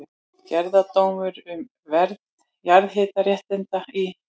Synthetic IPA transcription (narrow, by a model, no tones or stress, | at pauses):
cɛɾðat̪owmʏɾʏm | vɛɾt̪n | jaɾðɦeːt̪arjɛht̪ɪnt̪ai